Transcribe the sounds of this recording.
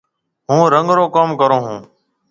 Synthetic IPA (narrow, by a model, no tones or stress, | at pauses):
ɦũːɾəŋɡɾoːkoːmkəɾõːɦũː